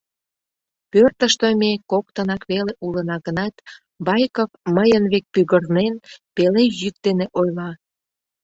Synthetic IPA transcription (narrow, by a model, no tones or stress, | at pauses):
pørt̪əʃt̪omekok̚t̪ənɑkβeleʔulənɑɣənɑt̪ | βɑjkofməjənβek̚pyɣərnenpelejyk̚d̪eneʔojlɑ